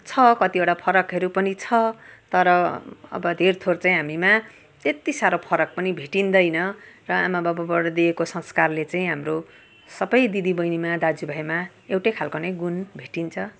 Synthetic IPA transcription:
t͡sʰʌkʌt̪iʌɽapʰʌɾʌkɦʌɾupʌnit͡sʰʌt̪ʌɾʌʌ̰bʌd̪ʱert̪ʰort͡sãĩɦamima | t̪et̪isaɾopʰʌɾʌk̚pʌnibʱeʈind̪ʌjnʌrʌamabʌbʌbʌɽd̪iekosʌ̃ŋskarlet͡saĩɦamro | sʌbʌjd̪id̪ibʌjnimad̪ad͡zubʱʌjma | ewʈʌjkʰalkonej̃ɡunbʱeʈint͡sʰʌ

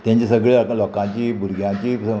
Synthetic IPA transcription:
t̪jãɲt͡ɕisəɡɭelɔkãt͡ɕiːbʱuɾɡʱjãt͡ɕiː

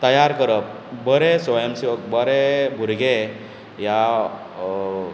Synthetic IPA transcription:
t̪əjaɾkəɾəp̚ | bəɾesʋəjəmsʋək̚bəɾebʱuɾɡe | ja

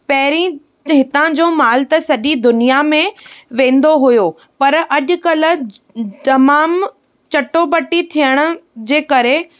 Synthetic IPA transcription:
pɐɦɪɾĩ | ɦɪt̪ãd͡ʑoːmaːlt̪ɐsɐʄid̪ʊnijamẽʋẽːn̆d̪oɦʊjoː | pɐɾʔɐʄʊ̆kɐlə̆ | t̪ɐmaːm | t͡ɕɐʈobɐʈit̪ʰijəɽ̃ʊ̆d͡ʑeːkɐɾe

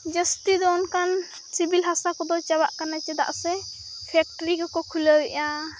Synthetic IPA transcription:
d͡ʒəst̪id̪ɔnkan | sibilɦasakɔd̪ɔt͡ʃawa̰ʔkanat͡ʃɛd̪a̰ʔsɛ | pʰɛk̚ʈəɾikɔkɔkʰuləwɛʔa

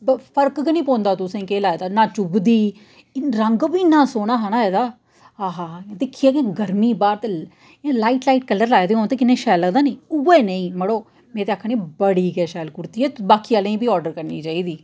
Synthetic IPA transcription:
bpʰəɾkknĩːpõːnd̪aːt̪ʊsẽːkeːlaːed̪aːnãːt͡ʃʊbd̪iː | ɾəŋɡbiːnːãːsoːɽ̃aːɦanaːeːd̪aː | ɦaːɦãːd̪ɪkʰːiːeːkẽɡəɾmiːbaːɾt̪ː | laːiːʈlaːiːʈkəlːəɾlaːed̪eːɦoːnt̪eːkɪnːẽːʃɛːləd̪aːnẽːʊeːnəĩːməɽoː | mɛ̃ːt̪eːakʰːəniːbəɽiːkɛːʃɛːlkʊɾt̪iːɛːbaːkiːaːlẽːĩːbiːɔːɾɖəɾkəɾnḭːt͡ʃaːiːd̪iː

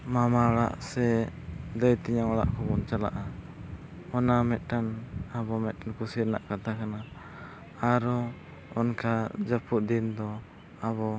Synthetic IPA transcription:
mamaɔɽa̰ʔsɛd̪əjt̪iɲaŋɔɽa̰ʔkɔbɔnt͡ʃala̰ʔa | ɔnamɛt̪̚ˀʈanabɔmɛt̪̚ʈankusiɾnaʔkat̪akana | aɾɔ | ɔnkad͡ʒəpuʔ̚d̪ind̪ɔ | aβɔ

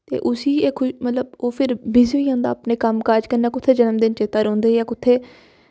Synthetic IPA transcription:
t̪ḛːʔʊsiːeːkʰʊmət̪ləboːpʰɪɾbɪzʋiːõːnd̪aːpneːkəmkaːd͡ʒkənɛːkʊt̪ʰːeːd͡ʒənəmd̪ɪnt͡ʃeːt̪aːɾõːnd̪eːaːkʊt̪ʰːeː

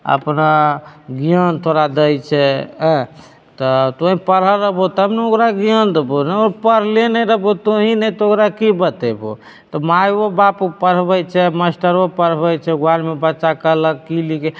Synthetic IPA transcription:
ə̰pnaɡijənt̪ʰoɾad̪əjt͡ʃʰɛɦɛ̃ | t̪ɔt̪oɦĩpəɾɦəɾəɦbot̪ɦəmneokɾaɡijənd̪ebonɛɔɾpəɾɦlenɛɾəɦbot̪oɦinɛt̪ɔokɾakibət̪ebo̰ | t̪ɔmajobapupəɾbɛjt͡ʃʰɛməsʈəɾopəɾbɛjt͡ʃʰɛɡwalmebətːʃakələkkilike

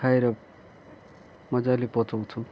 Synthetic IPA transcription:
aeɾʌ | mʌd͡zalepʌt͡sʰʌwt͡sʰu

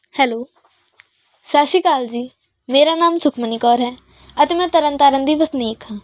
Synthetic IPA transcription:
hɛːloː | saːʃikaːld͡ʒiː | meːɾanaːmsʊkʰməniːkɔːɾɦɛː | ət̪eːmɛ̃ːt̪əɾə̃nt̪aːɾə̃nd̪iːʋəsniːkãː

